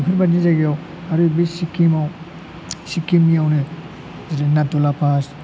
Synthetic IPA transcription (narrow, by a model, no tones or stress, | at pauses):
pʰɯɾbaɾnizaɡiaw | aɾɯbisikimaw | sikimijawnɯ | zaɾinatulapas